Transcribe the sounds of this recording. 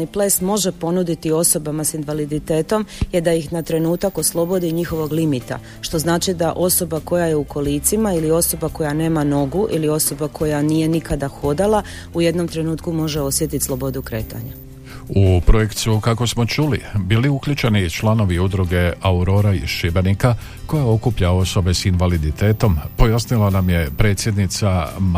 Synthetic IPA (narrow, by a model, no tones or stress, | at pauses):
iplesmo̞ʒe̞po̞nud̪it̪io̞so̞bamasinʋalid̪it̪e̞ːt̪o̞mjed̪ajixnat̪ɾe̞nuːt̪ako̞slˠo̞bo̞d̪iɲixo̞ʋo̞ɡlimit̪a̰ | ʃt̪o̞znaːt͡ʃid̪aʔo̞so̞bako̞jaje̞uko̞liːt̪simailio̞so̞bako̞jane̞ːmano̞ɡuʔilio̞so̞bakʰo̞janije̞nikad̪axo̞d̪ala | uje̞d̪no̞mt̪ɾe̞nuːt̪kumo̞ʒeo̞sje̞t̪it̪slo̞bo̞d̪ukɾe̞ːt̪a̰ɲa | upɾo̞je̞kt̪sukako̞smo̞t͡ʃulibiːliukʎut͡ʃenit͡ʃlˠano̞ʋiud̪ɾuɡe̞auɾo̞ɾaiʃibenika | ko̞jao̞kupʎao̞so̞be̞sinʋalid̪it̪e̞ːt̪o̞mpo̞jasnilˠanamje̞pɾe̞t̪sje̞d̪nit̪sam